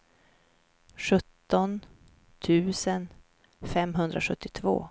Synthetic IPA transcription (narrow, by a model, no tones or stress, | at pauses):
ɧɵt̪ːɔn | t̪ʰʉ̟ːsən | fɛmɦɵnd̪ɾʔaɧɵt̪ːɪt̪ʰvo̰ː